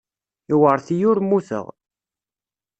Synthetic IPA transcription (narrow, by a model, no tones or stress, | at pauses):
iwəɾθijʊɾmːuθə̰ʁ